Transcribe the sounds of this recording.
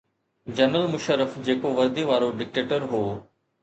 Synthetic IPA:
d͡ʑɐnəlmʊʃəɾəfd͡ʑeːkoʋɐɾd̪iʋaːɾoɖɪk̚ʈeːʈəɾɦoː

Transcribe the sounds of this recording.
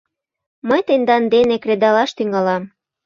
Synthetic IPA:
məjt̪end̪ɑnd̪enekred̪ɑlɑʃt̪yŋɑlɑm

